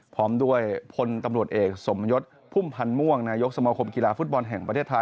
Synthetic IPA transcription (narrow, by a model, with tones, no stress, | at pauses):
pʰɔː˦˥mdu˥˩əjpʰo˧nt̪a˧mɾu˨˩ət̪̚ʔeː˨˩k̚so˩˦mjo˦˥t̪̚ | pʰuː˥˩mpʰa˧nmu˥˩əŋnaː˧jo˦˥k̚sa˧maː˧kʰo˧mki˧laː˧fu˦˥t̪̚bɔ˧nɦɛ˨˩ŋpɾʰeː˥˩t̪ʰːa˧